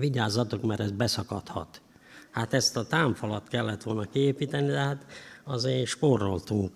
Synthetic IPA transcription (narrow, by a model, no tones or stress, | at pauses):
ʋiɟaːzɒt̪okmɛɾɛz̚bɛsɒkɒt̪hɒ̰t̪ | hat̪ɛst̪ɒt̪aːɱfɒlɒt̪kɛlːɛt̪ʋo̞lnɒkieːpiːt̪ɛnid̪ɛɦat̪ɒzeːnʃporo̞lt̪uŋk